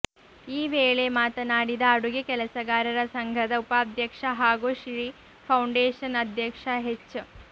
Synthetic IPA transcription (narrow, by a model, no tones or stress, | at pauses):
iːʋeːɭemaːt̪ɐnaːɽid̪ɐːɽuɡekɛlɐsɐɡaːɾɐɾɐsɐŋɡʱɐd̪ɐupaːd̪ʱjɐkʂɐɦaːɡuʃɾi | pʰɐwɳɖeːʂɐnɐd̪ʱjɐkʂɐɦet͡ʃː